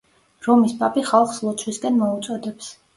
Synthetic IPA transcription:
ɾɔmispʼapʼiχalˠχslˠɔt̪sʰwiskʼɛnmɔut̪sʼɔd̪ɛps

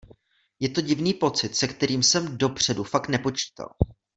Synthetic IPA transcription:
jɛt̪o̞ɟɪvniːpo̞t͡sɪt̪sɛkt̪ɛɾiːmsɛmdo̞pr̝̥ɛdufak̚t̪nɛpo̞t͡ʃi̥ːt̪a̰l

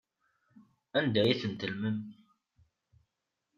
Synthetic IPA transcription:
ænd̪æjiθənt̪əlməm

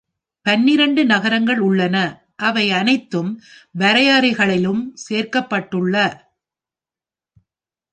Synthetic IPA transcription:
pɐnːɪɾɐɳɖɯnɐɣɐɾɐŋɡɐɭʊɭːɐnɐ | ʔɐʋɐɪɐnɐɪt̪ːɯmʋɐɾɐjaːɾɪɣɐɭɪlɯmseːrkɐpːɐʈːɯɭːɐ

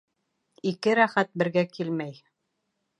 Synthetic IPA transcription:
ikɘɾæχæt̪̚bɘ̆ɾɡækilmæj

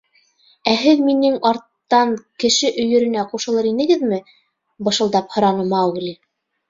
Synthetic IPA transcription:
æɦɘðminɘŋɑɾt̪ːɑŋkɘ̆ʃɘʔɵ̆jɵ̆ɾɘ̆næquʃɤ̆lˠɤɾinɘ̆ɡɘðmɘ | bɤ̆ʃɤ̆lˠd̪ɑphŏɾɑnɤmɑwɣli

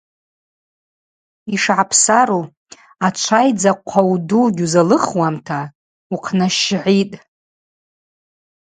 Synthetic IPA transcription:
iʂʕapʰsaɾu | at͡ʃʷʰajd͡zaqʷʰawduɡʲuzalɨχwamtʰa | uqʰnaʃʕʷitʼ

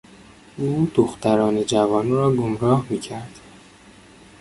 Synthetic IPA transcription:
ʔuːd̪̥oxt̪æɾɒːned͡ʒævɒːniɾɒːɡomɾɒːhmiːcʰæɾd̪̥

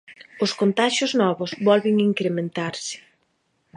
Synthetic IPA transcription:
ʊskont̪aʃʊznɔβʊzβɔlβɪŋiŋkɾemẽnt̪aɾsɪ̥

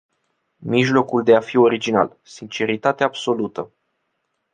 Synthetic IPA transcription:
miʒlo̞kuld̪e̞afio̞ɾid͡ʒina̰l | sint͡ʃe̞ɾit̪at̪eaːbso̞lut̪ə

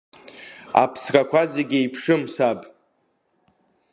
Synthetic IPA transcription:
a̰pʰskʼakʷʰazeɡʲejpʰʂɨmsabʼ

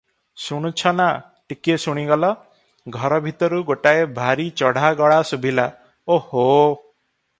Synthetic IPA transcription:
suɽ̃ut͡ʃʰɔna | ʈikiesuɽ̃iɡɔlɔ | ɡʱɔɾɔbʱit̪ɔɾuɡoʈaebʱaɾit͡ʃɔɽ̤aɡɔɭasubʱila | oho

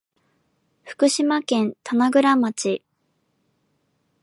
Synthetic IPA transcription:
ɸɯ̟̥kɯ̟ɕimakẽ̞nt̪ʰanaɡɯ̟ɾamat͡ɕi

